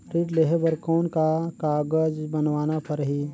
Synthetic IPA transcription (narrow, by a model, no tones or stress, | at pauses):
ɾiːʈleɦebəɾkɔːnkakaːɡəd͡ʒbənʋaːnapʰəɾɦi